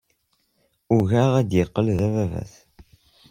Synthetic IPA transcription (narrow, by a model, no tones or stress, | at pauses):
ʊʝaʁæd̪jəqːəlðævævæ̰θ